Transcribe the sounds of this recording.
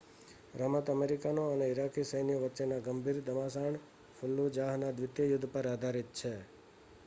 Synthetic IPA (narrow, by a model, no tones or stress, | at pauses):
ɾəmət̪əmeɾikanoəneɪɾakisəjnijəʋəʃenaɡəmbʱiɾd̪əmasaɳ | fʰʊlːud͡ʒaɦnad̪ʋɪt̪jəjʊd̪ʱːpəɾad̪ʱaɾit̪̚t͡ʃʰe